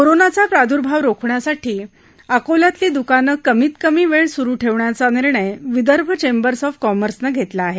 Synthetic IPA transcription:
koɾonat͡sapɾad̪ʱuɾbʱaʋɾokʰɳjasaʈʰiː | akolat̪liːd̪ukanəkːəmiːt̪kəmiːʋeɭsuɾuːʈʰeʋɳjat͡saniɾɳəjʋid̪əɾbʱət͡ɕembəɾsɔfkɔməɾsnəɡʱet̪laːɦe

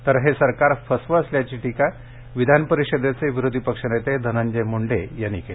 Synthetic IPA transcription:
t̪əɾɦesəɾkaɾfəsʋəsljat͡ɕiːʈika | ʋid̪ʱanpəɾiɕəd̪jat͡seʋiɾod̪ʱipəkʂənet̪ed̪ʱənãɲd͡ʑemuɳɖejanike

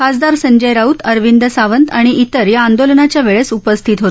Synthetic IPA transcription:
kasd̪aɾsəɲd͡ʑəjɾaut̪əɾʋind̪əsaʋənt̪aɽ̃iʔit̪əɾjaːnd̪olnat͡ɕjaʋeɭesupəst̪ʰiːt̪ɦot̪

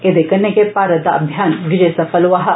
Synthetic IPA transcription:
ed̪ekɐnːekepaːɾɐt̪ɐɐ̰bʱjaːnʋʱid͡ʒesɐfʰɐlʋaɦɐ

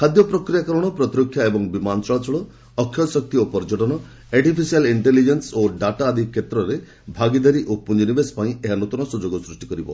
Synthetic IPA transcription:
kʰad̪jɔpɾɔkɾijakɔɾɔɽ̃ɔpɾɔt̪iɾɔkʰːjaebɔŋbimant͡ʃɔɭat͡ʃɔɭɔ | ɔkʰjɔsɔk̚t̪iopɔɾd͡ʒɔʈɔnɔ | aɾʈipʰisialiɳʈelid͡ʒensoɖaʈaːd̪ʱikʰːet̪ɾɔɾe | bʱaɡid̪aɾiʔup̚pːund͡ʒɔnibespaĩeɦanut̪ɔnɔsud͡ʒoɡɔsɾuʂʈi̥kɔɾibɔ̰

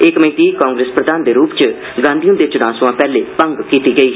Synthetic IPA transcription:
ɪkməĩːt̪iːkaːŋɡɾeːspɾəd̪ʱaːnd̪eːɾuːpt͡ʃ | ɡãːnd̪ʱijũːd̪eːt͡ʃʊnaːsʊãːpɛːleːpəŋɡkiːt̪iːɡəiːɦ

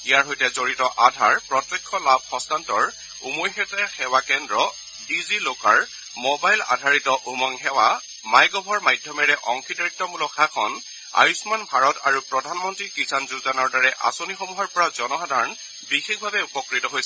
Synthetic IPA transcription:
ijaɹɦojtɛzoɹitɔʔadʱaɹpɹɔtːɛkʰːɔlab̚ʱxɔ̃stantɔɹ | umojxɛtɛxɛwakɛndɹɔ | bizilokaɹ | mobajla̰dʱaɹitɔʔumɔŋxɛwa | majɡɔbʱɔɹmajdʱjɔmɛɹɛʔɔŋkʰidaitːɔmulɔkʰakʰɔn | a̰jusmanbʱaɹɔta̰ɹupɹɔdʱanmɔntɹikisʰanzuzanɔɹdaɹɛʔa̰sonixɔmuɦɔɹpɔɹazɔnɔxadʱaɹɔn | bixek̚ʰbʱabɛupɔkɹitɔɦojsɛ

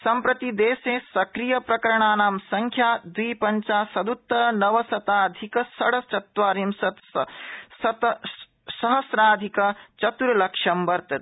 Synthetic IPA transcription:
sɐmpɾɐt̪id̪eːseːsɐkɾijɐpɾɐkɐɾɐɳaːnaːmsɐŋkʰjaːd̪ʋiːpɐɲt͡ʃaːsɐd̪ut̪ːɐnɐʋɐsɐt̪aːd̪ʱikɐsɐɽɐt͡ʃɐt̪ʋaːɾimsɐt̪ssɐt̪ɐ | sɐɦɐsɾaːd̪ʱikɐt͡ʃɐt̪uɾɐlɐkʂɐmʋɐɾt̪ɐ

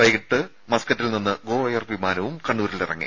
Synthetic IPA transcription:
ʋɐjiʈːɨ | mɐskɐtːilninːɨɡo̞ːʋɐjɐrʋimaːnɐʋumkɐɳːuːɾilirɐ̰ŋːḭ

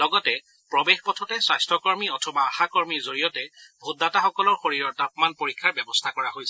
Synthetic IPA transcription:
lɔɡɔtɛ | pɹɔbexpɔtʰɔtɛsajstɹɔkɔɹmiɔtʰɔmaːxakɔɹmiɹzoɹijɔtɛbʱotːataxɔkɔlɔɹxoɹiɹɔɹtapmanpoɹikʰːaɹbɛbɔstʰakɔɹahojsɛ

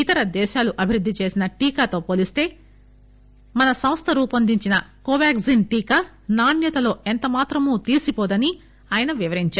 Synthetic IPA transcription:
it̪ɐɾɐd̪ɛːʃaːluʔɐbʱiɾud̪ʱːit͡ʃe̞ːsinɐʈiːkaːt̪o̞ːpoːlist̪e̞ː | mɐnɐsɐmst̪ʰɐɾuːpɐnd̪iɲt͡ʃinɐkoːʋaːkzinʈiːkaː | naːɳjɐt̪ɐlo̞ːent̪ɐmaːt̪ɾɐmuːt̪iːsipoːd̪ɐni | aːjɐnɐʋiʋɐɾiɲt͡ʃaː

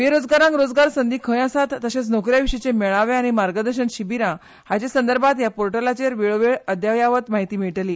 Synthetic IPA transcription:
ʋeɾod͡zɡaɾãŋkɾod͡zɡaɾsənd̪iːkʰə̃jasat̪ːəɕet͡snokɾjaʋiʂət͡semeɭaʋeaɽ̃imaɾɡəd̪əɾɕənɕibiɾã | hat͡ɕesənd̪əɾbʱat̪japoɾʈəlat͡ɕeɾʋeɭʋeɭəd̪jaʋjaʋət̪maɦit̪iːmiɭʈliː

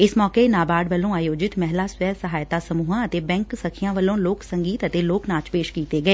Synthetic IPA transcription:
ɪsmɔːkeːnaːbaːɖʋəlːõːaːjoːd͡ʒɪt̪mɛɦlaːswɛːsəɦaːjt̪aːsəmuːɦãːət̪eːbɛ̃ːŋksəkʰijãːʋəlːõːloːksəŋɡiːt̪ət̪eːloːknaːt͡ʃpeːʃkiːt̪eːɡəeː

